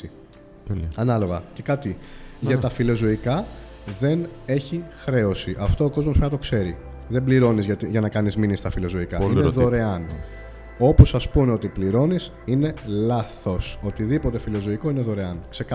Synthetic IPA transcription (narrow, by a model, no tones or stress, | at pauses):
ɐnɐlo̞ɣɐce̞kɐt̪iʝɐt̪ɐfilo̞zoikɐ | ðe̞ne̞çixɾe̞o̞siʔɐft̪oːko̞zmospɾɐnɐt̪o̞kse̞ɾi | ðe̞mbliɾo̞nizʝɐt̪iʝɐnɐkɐnizminist̪ɐfilo̞zoikɐineðoɾe̞ɐn | o̞pusɐspuneo̞t̪ipliɾo̞nis | ine̞lɐθo̞so̞t̪iðipo̞t̪e̞filo̞zoiko̞ineðo̞ɾeɐnkse̞kɐ